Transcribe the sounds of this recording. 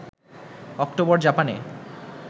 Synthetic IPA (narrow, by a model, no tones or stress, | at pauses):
ɔkʈobɔɾd͡ʑapanḛ